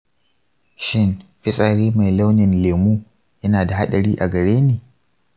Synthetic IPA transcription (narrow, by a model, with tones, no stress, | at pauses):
ʃɪ˦˨nɸɪ˦sʼaː˨ɽiː˦ma˨jla˦wnɪ˨nleː˨muː˦ | jɐ˦naː˨da˨ɦa˦ɗɐ˨ɽiː˦ʔa˨ɡɐ˨ɽeː˦niː˨